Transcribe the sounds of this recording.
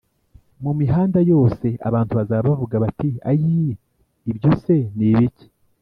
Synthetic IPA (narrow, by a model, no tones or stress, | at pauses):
mumiɦaːndajo̞ːse̞ʔa̰βaːntuβazaβavuɡaβatia̰jiː | bɟose̞niβici̥